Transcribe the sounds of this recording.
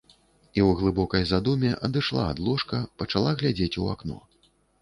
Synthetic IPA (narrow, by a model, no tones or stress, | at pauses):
iwɣlˠɨbɔkɐjzad̪umʲɛʔɐd̪ɨʂlˠa̰ːd̪lˠɔʂkɐpɐt͡ʂalˠaɣlʲad͡zʲet͡sʲua̰knɔ̰